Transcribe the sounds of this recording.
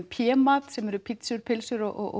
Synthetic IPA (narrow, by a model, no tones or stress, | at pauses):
pʰjɛːmaːt̪sɛmɛɾʏpʰɪt̪sʏɾpʰɪlsʏɾɔʔɔ̰ʔ